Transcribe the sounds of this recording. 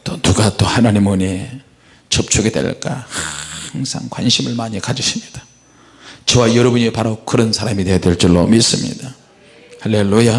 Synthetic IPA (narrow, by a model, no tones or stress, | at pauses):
t͈onuɡat͈ohanaɲimɯɲe | t͡ɕʌp̚t͡ɕʰuɡe̞dwḛɭk͈a̰haaŋsʰa̰ŋkwanɕʰimɯɭmaɲikad͡ʑɯɕʰimɲid̥ḁ | t͡ɕewajʌɾʌbuɲipaɾokɯɾʌnsʰaɾamide̞jadweɭt͡ɕ͈iɭːo̰mis͈ɯmɲḭda | haɭːe̞lːuja